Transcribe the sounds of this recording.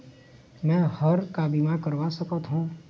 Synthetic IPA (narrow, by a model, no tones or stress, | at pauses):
mɛ̃həɾkabimakəɾʋasəkət̪ɦũː